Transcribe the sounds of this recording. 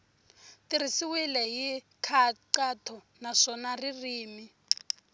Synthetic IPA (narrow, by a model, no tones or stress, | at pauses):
tir̤isiwilɛɦikʰaǃatʰɔ | naʂɔnaririːmi